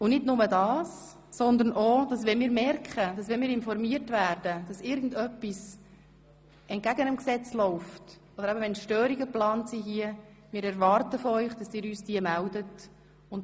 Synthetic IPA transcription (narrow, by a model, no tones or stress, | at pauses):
ʊnɪdnʊmədɑːsː | ɔnd̪əɾnʔod̥ɑsʋɛnmiːɾmɛrkχəd̥ɑsʋɛnmiːɾɪnfɔɾmiːəɾtvæːrd̥əd̥ɑsɪɾɡən̩dœpːis | ɛnt̚ɡ̥æɡənəmksɛt͡slɔʊft | ɔd̪əɾæbəʋɛnʃtøːɾiɡəplɑːnsiɦiə | mɪːɾɛɾvɑːrtəfɔœʏχd̥ɑsɪːɾyːsd̥iəmældət | ʊn